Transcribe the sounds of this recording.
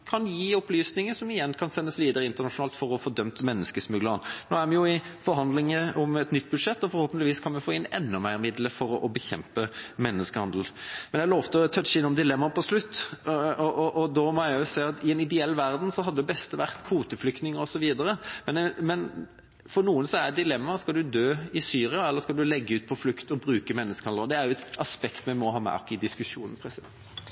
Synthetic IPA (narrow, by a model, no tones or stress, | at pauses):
kʰɑnjiːɔplyːsnɪŋəʂɔmɪjɛnːkʰɑnsɛnːəsʋiːd̪əɾəɪnt̪əʁnɑʂʊnɑːlt̪fɔɾɔfɔd̪œmt̪əmɛnːəskəsmʉɡ̪lənno̰ːæɾmɛnjʊɪfɔɾhɦɑnd̪lɪŋəʔɔmɛt̪nʏt̪ːbʉd̪ʂɛt̪ːɔfɔɾhoːpnt̪ɪʋiːskʰɑnʋɛfoːɪnɛ̰nːʊmæɪɾmɪd̪ləfɔɾʔɔbəçɛ̰mpəmɛnːəskəhɑnd̪l̩mɛnjæloːʋt̪ət̪ʰœt̪t͡ʃːəɪnːɔmd̪ɪlɛmːɑpʰɔslʉt̪ːɔʔɔʔɔd̪ɔmɔjæɪʊsæɪɑt̪ʰɪɛnɪd̪ɛɛlːʋæʁd̪n̩sɔɦɑd̪ːəd̪ɛbɛst̪əʋæʁt̪kʰuːt̪əflʏkt̪nɪŋəɾɔsɔʋiːd̪əɾəmɛnmɛn | fɔɾnuːənsɔɛɛt̪d̪ɪlɛmːɑskɑld̪ʉd̪øːɪsyːɾɪɑɛlːəɾskɑld̪ʉlɛɡːəʉːt̪̚pʰɔflʉkt̪ɔbɾʉːkəmɛnːəskəhɑnəɔd̪ɛæɾjʊɛt̪ɑspɛkt̪mɛmɔɦɑːmɛ̰ʔɑ̰kːɪd̪ɪskʉʂuːnən̩pʰɾɛsɪd̪ɛ̰nt̪